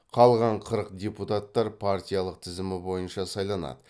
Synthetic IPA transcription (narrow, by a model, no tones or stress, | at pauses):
qʰɑlˠʁɑɴqʰəɾəqd̪ʲeput̪at̪ːɑɾpʰaɾt̪ʲijalˠəq̚t̪ʰɪzɪmɪbo̞jənʃɑsɑjlˠɑnɑ̰d̪ə